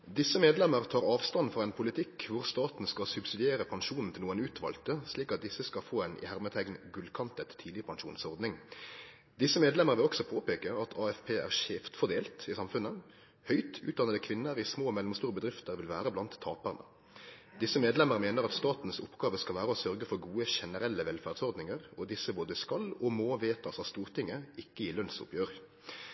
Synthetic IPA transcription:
d̪ɪsəmeːd̪lɛməʁt̪ʰɑːʁɑːʋst̪ɑnfɔʁɛɪnpʰʊlɪt̪ʰɪkʋʊʁst̪ɑːt̪n̩skɑlsʉbsɪd̪ɪeːɾəpʰɑnʂuːnn̩t̪ɪluːənʉːt̪ʰʋɑ̰ːlt̪əsliːkɑt̪̚d̪ɪsəskɑfoːɛnʔɪ̰hæʁmət̪ʰæɡnɡʉlkʰɑnt̪ət̪ʰːiːd̪ɪəpʰɑŋʂṵːnsɔʁd̪nɪŋ | d̪ɪsəmeːd̪lɛməɾʋɪlɔksɔpʰoːpeːkəɑt̪ʰɑːɛfpʰeːʔæ̰ʁʂeːft̪fɔʁd̪eːlt̪ɪsɑmfʉnːə | hœʏt̪ʰʉ̰ːt̪̚d̪ɑnəd̪əkʰʋɪnːəɾɪsmoːmɛlʊmst̪uːɾəbəd̪ʁɪft̪əʁʋɪlʋæːɾəblɑnt̪ʰːɑːpæʁnə̰ | d̪ɪsəmeːd̪lɛməʁmeːnəʁɑt̪st̪ɑːt̪n̩sʊpɡɑːʋəskɑlʋæːɾəɔsœʁɡəfɔʁɡuːəʃɛnəɾɛlːəʋɛlfæːʁd̪sɔʁd̪nɪŋəʁɔd̪ɪsəboːd̪əskɑlɔmoːʋeːt̪ʰɑsɑst̪uːʁt̪ɪŋːəɪkːəɪlœnsʊ̰pjøːʁ

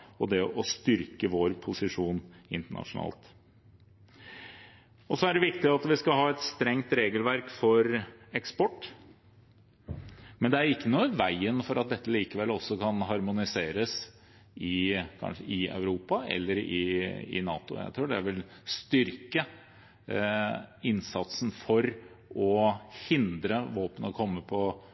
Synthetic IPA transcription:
ɔd̪ɛʔɔst̪ʏɾkəʋoːɾpʰʊsɪʂuːnɪnt̪əɳɑ̰ʂʊnɑ̰ːlt̪ | ɔsɔæɖɛʋɪkt̪ɪɑt̪ʋɪskɑɦɑːɛt̪st̪ɾɛŋt̪ɾeːɡəlʋæɾkfɔɾɛkspɔʈː | mɛnd̪ɛæɾɪkːənuːʋæɪənfɔɾɑt̪̚d̪ɛt̪ʰːəliːkəʋɛlːɔsːɔkʰɑnɦɑɾmʊnɪseːɾəs | ɪkʰɑ̰nʂəɪœ̰ʉɾuːpɑʔɛ̰lːəɾɪ̰ɪ̰nɑ̰ːt̪ʊ̰jæ̰ɪt̪ʰɾuːɖɛʋɪlst̪ʏɾkə | ɪnsɑt̪sn̩fɔɾ | ɔhɪnd̪ɾəʋoːpənɔkʰɔmːəpʰɔ

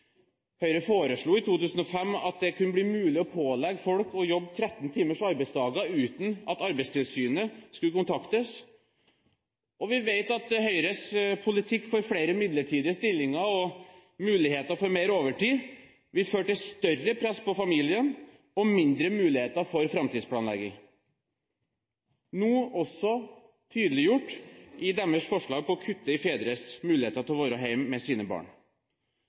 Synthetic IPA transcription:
hœʏɾəfoːɾəʂɭuːɪt̪ʰuːt̪ʉːsən̩ɔfɛmːɑ̰t̪̚d̪ɛkʉnːəbliːmʉːlɪɔpʰoːlɛɡfɔlkɔjɔbːt̪ʰɾɛt̪ːn̩t̪ʰiːməʂɑɾbɛɪsd̪ɑːɡəʉːt̪n̩ɑt̪ɑɾbɛɪst̪ʰɪlsyːnəskʉləkʊnt̪ʰɑkt̪əs | ʔɔʋɪʋeɪt̪ɑt̪hœʏɾəspʰʊlɪt̪ʰɪkːfɔɾfɽeːɾəmɪd̪ləʈʰiːd̪ɪəst̪ɪlːɪŋəɾɔmʉːlɪheːt̪əɾfɔɾmeɪɾoːʋəʈiː | ʋɪlføːʈɪst̪œrəpʰɾɛspɔfɑmiːlɪən | ɔmɪnd̪ɾəmʉːlɪheːt̪əɾfɔɾfɾɑmt̪iːd̪spʰlɑːnlɛɡːɪ̰ŋ | nuːɔsɔ | t̪ʰyːd̪əlɪjʊʈːʔɪd̪æmːəʂkfɔʂɭɑːɡ̚pʰɔɔkʰʉt̪ːəɪfeːd̪ɾəsmʉːlɪheːt̪əɾt̪ʰɪlʋoːɾəɦæɪmːɛsiːnəbɑ̰ːɳ

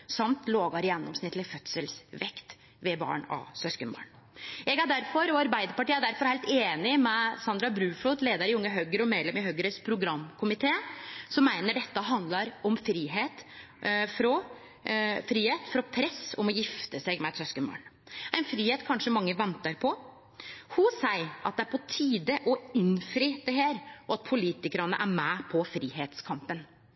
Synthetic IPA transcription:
sɑmt̪loːɡɑɾjɛnːɔmsnɪt̪lɪfœt̪səlsʋɛkt̪ | ʋɛbɑ̰ːɳɑ̰sœskənbɑ̰ːɳ | jɛɡæɖæɾfɔɾɔɑɾbæɪd̪əɾpɑʈiːæɖæɾfɔɾhæɪlt̪eːnɪmɛsɑnd̪ɾɑbɾʉːfluːt̪leːd̪əɾɪʊŋːəɦœɡəɾɔmeːd̪lɛmɪɦœɡəɾəspʰɾʊɡɾɑmːkʰʊmɪt̪ʰeːsɔmːæɪnəɖɛt̪ːəɦɑnd̪lɑɾɔmfɾiːɦeːt̪ | fɾɔ | fɾiːheːt̪fɾɔpʰɾɛsːɔmɔjɪft̪əsɛɡmɛt̪sœskəmo̰ːɳ | æɪnfɾiːheːt̪kʰɑnʂəmɑŋːəʋɛnt̪əɾpʰɔ | hʊsæɪʔɑt̪̚d̪ɛæɾpʰɔt̪ʰiːd̪əʔɔɪnfɾiːd̪̥ɛɦeːɾɔɑt̪̚pʰʊliːt̪ɪkəɾɑnə̰ʔæɾmæpʰɔfɾiːɦeːt̪skʰɑmpən

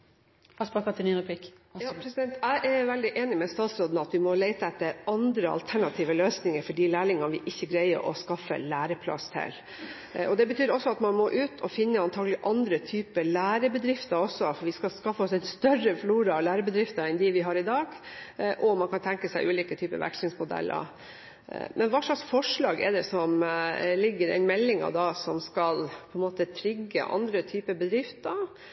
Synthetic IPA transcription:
spɑkɑt̪ʰɪninʊpɪk | pɾɛsɪd̪ɛnt̪ʰæɪʔæɾʋɛld̪ɪʔeːnɪmɛst̪ɑːt̪sɾoːd̪nəɑt̪ʋɪmɔlæɪt̪əɛt̪ːəɾɑnd̪ɾəɑ̰lt̪ʰæɳɑt̪ʰiːʋəløːsnɪŋəɾfɔɖiːlæːɾɪŋɑnʋɪʔɪçːəɡɾæɪə̰ɾʔɔ̰skɑfːə̰læːɾəpʰlɑ̰st̪ʰɛ̰l | ʔɔd̪ɛbət̪ʰyːɾɔsːɔɑt̪mɑnmɔʔʉːt̪ʰɔfɪnːəɑnt̪ʰɑːɡəlɪʔɑnd̪ɾət̪ʰyːpəlæːɾəbəd̪ɾɪft̪əɾɔsɔfɔɾʋɪskɑskɑfːəɔsɛnst̪œrəfluːɾɑlæːɾəbəd̪ɾɪft̪əɾɛnd̪ɪʋɪɦɑɾɪd̪ɑːɡʔɔmɑnkɑnt̪ʰɛŋkəsæɪʔʉːliːkət̪ʰyːpə̰ʋæ̰kʂlɪŋsmʊd̪ɛ̰lːə̰ɾ | mɛnʋɑːʂlɑksfɔʂɭɑːɡɛ̰d̪ɛsɔmlɪɡːəɾɛ̰ɪnmɛlːɪŋɑ̰d̪ɑsɔmskɑlpʰɔɛnmoːt̪ət̪ʰɾɪɡːə̰ʔɑ̰nd̪ɾət̪ʰyːpəbəd̪ɾɪft̪ə

